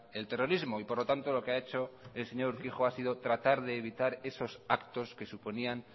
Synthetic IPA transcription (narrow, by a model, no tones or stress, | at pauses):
e̞lt̪e̞ro̞ɾizmoipo̞ɾlo̞t̪ant̪o̞lo̞keae̞t͡ʃo̞else̞ɲo̞ɾuɾkiχo̞asið̞o̞t̪ɾat̪aɾðe̞ːβ̞it̪aɾe̞so̞sakt̪o̞ske̞suponian